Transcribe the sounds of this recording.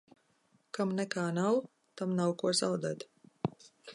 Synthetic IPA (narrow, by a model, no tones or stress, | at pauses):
kamnɛkaːnaw | t̪amnawkuɔzawd̪at̪